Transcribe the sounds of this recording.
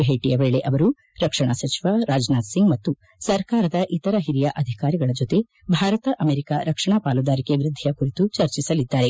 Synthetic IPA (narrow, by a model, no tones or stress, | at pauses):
bʱeːʈijɐʋe̞ːɭe̞ʔɐʋɐɾu | ɾɐkʂɐɳasɐt͡ʃiʋaɾaːd͡ʒnaːd̪siŋɡmɐt̪ːu | sɐɾkaːɾɐd̪ɐʔit̪ɐɾɐɦiɾijɐʔɐd̪ʱikaːɾiɡɐɭɐd͡ʒot̪e̞ | bʱaːɾɐt̪ɐʔɐmeːɾikaɾɐkʂɐɳapaːlud̪aːɾikeʋɾɪd̪ʱːijɐkuɾit̪ut͡ʃɐɾt͡ʃisɐlid̪ːaːɾe̞